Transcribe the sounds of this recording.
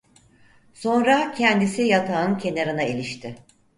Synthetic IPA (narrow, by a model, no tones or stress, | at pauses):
so̞nɾacʰɛnd̪isijat̪ʰaɯncʰe̞naɾɯnaelʲiʃt̪ʰɪ